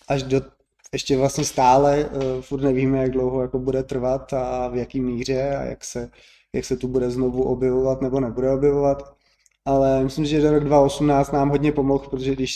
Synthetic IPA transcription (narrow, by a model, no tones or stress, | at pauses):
ʔaʒdo | ɛʃcɛvlastɲɛst̪aːlɛfuɾrt̪nɛviːmɛjaɡ̚dlowɦojakobudɛt̪r̩vat̪avjakiːmiːr̝ɛa̰ja̰ksɛ | ja̰ksɛt̪ubudɛzno̞vuʔobjɛvovat̪nɛbo̞nɛbudɛo̞bjɛvovat̪ | ʔalɛmɪslɪmsɪʒɛdoɾoɡdvao̞sumnaːt͡st̪naːmɦo̞dɲɛpo̞moxpɾot̪oʒɛɡdɪʃ